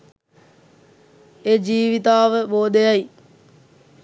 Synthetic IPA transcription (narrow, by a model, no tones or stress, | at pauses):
eːd͡ʒiːʋit̪aːʋəboːd̪ejaj